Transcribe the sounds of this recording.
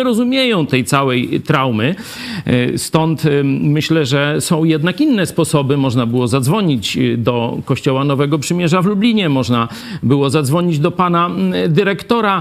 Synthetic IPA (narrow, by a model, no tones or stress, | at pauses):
ɛɾɔzumʲjejɔ̃w̃t̪ɛjt̪sawɛjt̪ɾawmɘ | st̪ɔnt̪mɘɕlɛʐɛsɔ̃w̃jɛd̪nakinːɛspɔsɔbɘmɔʐnabɘwɔzad̪zvɔɲid͡ʑd̪ɔkɔɕt͡ɕɔwanɔvɛɡɔpʂɘmʲjɛʐavlublʲiɲɛmɔʐna | bɘwɔzad̪zvɔɲid͡ʑd̪ɔpanad̪ɘɾɛkt̪ɔɾa